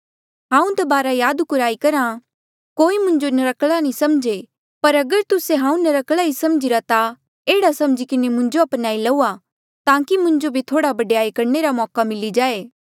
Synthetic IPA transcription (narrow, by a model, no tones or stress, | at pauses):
ɦãːũd̪ɐbaːɾajaːd̪kʊɾaːikɐɾã | koːimʊ̃ɲd͡ʒonɐɾɐkɭanĩsɐmd͡ʒe | pɐɾɐɡəɾt̪ʊseɦãːũnɐɾɐkɭaisɐmd͡ʒɪɾat̪a | eːɽasɐ̃md͡ʒikɪnemʊ̃ɲd͡ʒoɐpnaːilɐuːa | t̪ãːkimʊ̃ɲd͡ʒobʱit̪ʰoːɽabɐɖjaːikɐɾneɾamɔːkamɪlid͡ʒaːeː